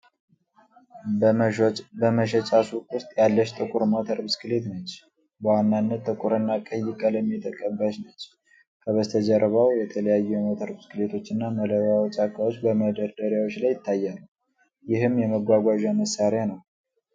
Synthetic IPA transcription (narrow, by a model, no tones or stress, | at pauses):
bəməʃ̬ɛt͡ʃʼasukʼʊst̪ʼjalːəʃt̪ʼɨkʼuɾmot̪ʰəɾbɨskɨlet̪nət͡ʃː | bəwanːanːət̪ːʼɨkʼuɾɨnːakʼəjːɪkʼələmːit̪ʼəkʼːəmbət͡ʃnət͡ʃː | kʰəβəst̪ʰəd͡ʒəɾβawjɛt̪ʰələjajːujɛmot̪ʰəɾbɨskɨlet̪ʰo̞t͡ʃːɨnːamələβawɔt͡ʃʼakʰawo̞t͡ʃːbəməd̪əɾd̪əɾjawo̞t͡ʃːlajɪt̪ʰːajːalː | jɪhɨmːjɛməɡʷaɡʷaʒaməsːaɾɪanəw